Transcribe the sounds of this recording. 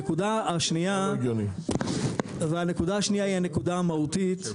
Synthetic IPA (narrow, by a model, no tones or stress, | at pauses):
ekudaaʃnijaɡjoni | veane̞kudaaʃnijaihane̞kudaamautit̪